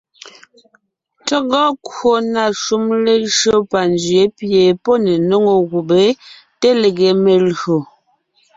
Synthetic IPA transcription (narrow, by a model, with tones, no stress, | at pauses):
tɔ˦ɡɔ˦kwo˦˨na˨ʃu˦mle˦ʒo˦pa˨nd͡ʒɥe˨˦pje˨po˦ne˨no˦ŋo˦˨ɣu˨be˨˦ | te˦le˨ɡe˨˦me˨lo˨